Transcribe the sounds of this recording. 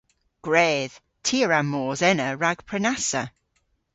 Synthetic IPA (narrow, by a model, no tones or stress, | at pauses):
ɡ̥ɹɛːð̥ | tʰiəɹamːɔːzɛnəɹaɡ̥pʰɹ̥ɛnasə̰